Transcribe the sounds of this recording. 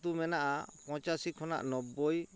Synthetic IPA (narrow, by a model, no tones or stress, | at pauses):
t̪umɛnaʔapɔ̃t͡ʃasikʰɔna̰ʔnɔbːɔj